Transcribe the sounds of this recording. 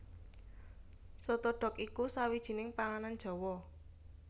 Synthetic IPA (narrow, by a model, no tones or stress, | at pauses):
sɔt̪ɔɖ̥ɔ̤kikusawid̥ʒ̥i̤nɪŋpaŋanan̥ʒ̥ɔ̤wɔ